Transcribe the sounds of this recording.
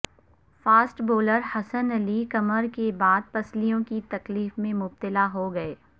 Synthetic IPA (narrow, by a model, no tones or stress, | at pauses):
faːsʈboːləɾhɐsənɐlikɐməɾkebaːd̪̚pɐslijõkit̪ɐkliːfmẽmʊb̚t̪ɪlaɦoɡɐeː